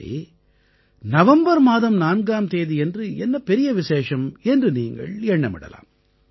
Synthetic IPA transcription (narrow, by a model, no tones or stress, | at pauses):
ḭ | nɐʋɐmbɐɾmaːðɐmnaːnɡaːmt̪eːðiɛndrɯɛnːɐpɛɾɪjɐʋɪseːʂɐmɛndrɯniːŋɡɐ̰ɭɛɳːɐmɪ̰ɽɐ̰la̰ːm